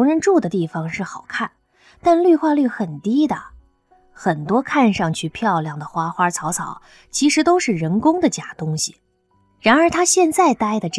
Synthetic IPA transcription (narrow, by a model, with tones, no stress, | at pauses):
ŋɻə˧˥nʈ͡ʂu˥˧d̪ə˩t̪i˥˩fɑ˨˩ŋʂɻ̩˥˩xɑ˨˩ʊkʰa˥˩n | t̪a˥˧nly˥˧xwa˥˧ly˥˩xə˨˩nt̪i˥d̪ə˨ | xə˨˩nt̪wɔ˥kʰa˥˧nʂɑ˥˧ŋt͡ɕʰy˥˧pʰjɑ˥˧ʊljɑ˥˩ŋd̪ə˩xwa˥xwa˥t͡sʰɑ˧˥ʊt͡sʰɑ̰˨˧˥ʊ | t͡ɕʰi˧˥ʂɻ̩˧˥t̪o˥ʊʂɻ̩˥˩ɻə˧˥nkʊ˥ŋd̪ə˨t͡ɕja˨˩t̪ʊ˥ŋɕi˨˩ | ɻa˧˥nə˞˧˥t̪ʰa˥ɕjɛ˥˧nt͡sa˥˩ɪt̪a˥ɪd̪ə˨ʈ͡ʂ